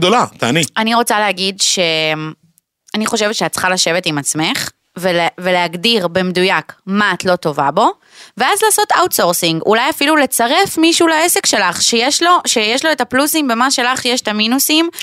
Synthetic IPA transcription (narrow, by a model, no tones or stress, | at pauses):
d̪olat̪aːnianiʁo̞t͡saleɦaɡidʃem | aniχo̞ʃe̞vetʃeatt͡sχalaʃe̞vetimat͡sme̞χ | veleveleaɡdiʁbemedujakmaːtlo̞to̞vabo̞ | veazlaːso̞ta̰wtso̞ʁsiŋɡṵlajafilule̞t͡saʁe̞fmiʃuulaese̞kʃe̞laχʃejeʃlo̞ʃejeʃloetaplusimbe̞maʃe̞laχjeʃe̥taminusim